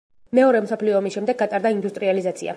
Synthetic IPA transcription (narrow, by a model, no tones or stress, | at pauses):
mɛɔɾɛmsɔpʰliɔːmisʃɛmd̪ɛɡːat̪ʼaɾd̪aind̪ust̪ʼɾializat̪sʰḭa̰